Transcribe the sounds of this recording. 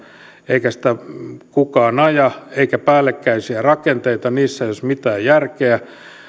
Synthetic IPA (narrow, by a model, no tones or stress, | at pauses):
eikæsĭ̥t̪ækukɑːnɑjɑeikæpæːlːˑekːæisiærɑkent̪eit̪ɑniːsːæeijosmit̪æːjjærkeæ